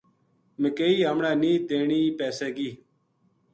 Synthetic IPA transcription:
məkeːiːɦəmɳaːniːt̪eːɳiːpeːseːɡiː

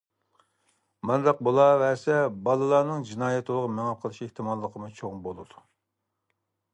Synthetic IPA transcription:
mɑnd̪ɑq̚bulˠɑvɛsɛbɑlˠɨlˠɑːnɨŋd͡ʒinɑːjɛt̪olˠʁɑmeŋɑp̚qʰəlˠɨʃeht̪ʰɨmɑlˠːəqʰəmut͡ʃʰoŋbolˠɨd̪u

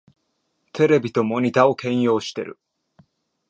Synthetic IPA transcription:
t̪ʰe̞ɾe̞bʲit̪omo̞ɲ̟ʲit̪ao̞kẽ̞ɰ̃jo̞ːɕi̥t̪e̞̰ɾɯ̟̰

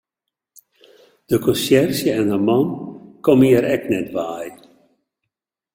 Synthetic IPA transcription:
d̥əkɔnsjɛrsjəɛnəmɑnkɔmiəɾɛknɛtʋaːj

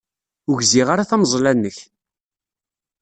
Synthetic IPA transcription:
ʊʝziʁaɾaθæmzˤlænːəç

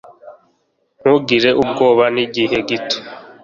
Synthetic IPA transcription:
ŋ̥uɡiɾe̞ʔub̚ɡoːβaniɟiɦe̞ɡitʰe̥

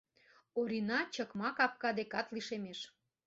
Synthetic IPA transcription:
oɾʲinɑt͡ɕəkmɑkɑpkɑd̪ekɑt̪liʃemeʃ

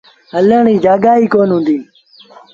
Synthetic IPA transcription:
ɦələːɳiːd͡ʒaːɠaːiːkoːnɦʊ̃ːnd̪iː

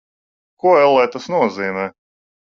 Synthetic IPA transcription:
kuɔɛlˠːɛːt̪asnuɔziːmɛː

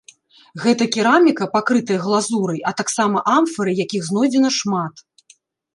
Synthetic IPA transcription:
ɣɛt̪ɐkʲiɾamʲikɐpakɾɨt̪ɐjɐɣlˠazuɾɐjʔɐt̪aksamɐʔamfɐɾɨjakʲiɣznɔjd͡zʲɛnɐʂmat̪

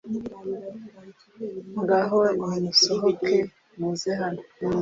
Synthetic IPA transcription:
ŋɡaɦoinusoɦokʰe | muzeɦano

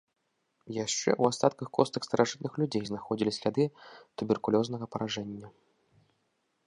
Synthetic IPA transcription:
jaʂt͡ʂɛ̰ʔuast̪at̪kɐxkɔst̪ɐxst̪ɐɾʔaʐɨt̪̚nɨxlʲud͡zʲejznaxɔd͡zʲilʲisʲlʲad̪ɨt̪ubʲɛrkulʲɔznɐɣɐpɐɾaʐɛnʲːɐ

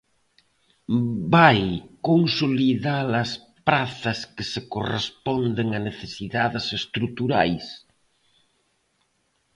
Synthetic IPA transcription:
bajkoŋsoliðalɐs | pɾaθɐskɪsekorḛspɔnd̪eŋaneθesiðaðesest̪ɾut̪uɾa̰js

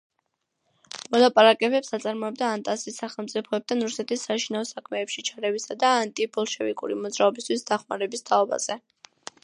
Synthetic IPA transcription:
mɔlˠapʼaɾakʼɛbɛpsat̪sʼaɾmɔɛb̚d̪aːnt̪ʼasisːaχɛlˠmt̪sʼipʰɔɛp̚t̪ʰanɾusɛt̪ʰisːaʃinaɔsakʰmɛːpʃit͡ʃʰaɾɛvisad̪aːnt̪ʼibɔlˠʃɛvikʼṵɾimɔd̪zɾaɔbist̪ʰwisd̪̥aχmaɾɛbist̪ʰaɔba̰z̥ɛ

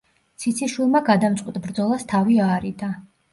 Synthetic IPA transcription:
t̪sʰit̪sʰiʃwilˠmaɡad̪amt̪sʼqʼwit̪ʼbɾd̪zɔlˠast̪ʰaviaːɾid̪a

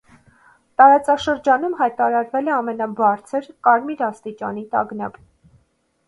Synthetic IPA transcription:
t̪ɑɾɑt͡sɑʃəɾd͡ʒɑnumɦɑjt̪ɑɾɑɾvɛlɛɑmɛnɑbɑɾt͡sʰəɾkɑɾmiɾɑst̪it͡ʃɑ̰n̪it̪ɑ̰ɡnɑ̰p

